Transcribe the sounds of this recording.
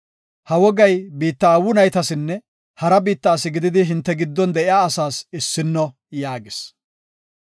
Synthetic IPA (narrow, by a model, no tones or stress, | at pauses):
hɐwɔɡɐjbiːt̪ːɐːwʊnɐjt̪ɐsɪnːɛ | hɐɾɐbiːt̪ːaːsɪɡɪd̪ɪd̪ɪɦɪnt̪ːɛɡɪd̪ːɔnd̪ɛʔɪaːsaːsɪsːɪnːɔ | jaːɡɪs